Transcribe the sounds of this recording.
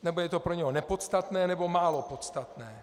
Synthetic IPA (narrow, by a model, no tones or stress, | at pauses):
nɛbojɛt̪opɾoɲɛɦonɛpot̪st̪at̪nɛːnɛbo̞maːlo̞pot̪st̪at̪nɛː